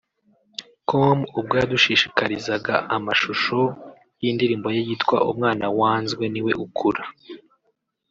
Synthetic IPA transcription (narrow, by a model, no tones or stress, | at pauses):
komub̚ɡaːduʃiʃikaɾizaɡaʔamaʃuʃo̞ | jindiɾiːmbo̞jejitkwa̰ʔṵmŋaːnawaːnzɡwe̞niwe̞ʔukʰuɾa